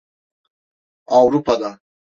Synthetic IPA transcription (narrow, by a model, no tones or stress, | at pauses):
awɾupad̪a